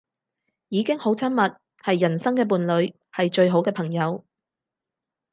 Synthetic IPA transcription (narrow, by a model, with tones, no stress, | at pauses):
jiː˨˧kɪ˥ŋho˨˥wt͡sʰɐ˥nmɐ˨t̚ | hɐ˨jːɐ˨˩nsɐ˥ŋkɛː˧p̬uː˨nlɵ˨˧ɥ | hɐ˨jt͡ʃɵ˧ɥɦo˨˥wkɛː˧pʰɐ˨˩ŋjɐ˨˧w